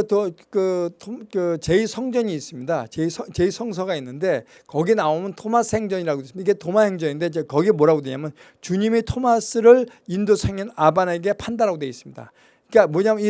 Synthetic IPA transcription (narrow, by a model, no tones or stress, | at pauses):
tkɯtʰkɯt͡ɕe̞isʰʌŋd͡ʑʌɲiːs͈ɯmɲidat͡ɕeisʰʌt͡ɕe̞isʰʌŋs̬ʰʌɡainːɯnde̞ | kʌɡinaomɯntʰomasʰɯhe̞ŋd͡ʑʌɲiɾaɡodesɯmaiɡe̞tomahe̞ŋd͡ʑʌinnde̞d͡ʑekʌɡimoɾaɡodeɲamjʌn | t͡ɕuɲimitʰomas͈ɯɾɯɭindosʰaŋinabane̞ɡe̞pʰandaɾaɡodweis͈ɯmɲida̰ | k͈amwʌɲami